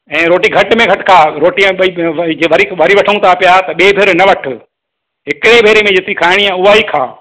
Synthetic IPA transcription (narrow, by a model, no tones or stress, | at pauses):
ɛ̃ːɾoːʈiɡʱɐʈmẽɡʱɐʈkʰaːɾoːʈijãiʋd͡ʑeʋɐɾiʋɐɾiʋɐʈʰəũt̪ʰapijat̪ɐɓeːbʱɪɾnɐʋɐʈʰʊ | ɦɪkɪɽebʱeːɾemẽd͡ʑet̪ikʰaːɦɪɽ̃iãʊɦaːikʰaː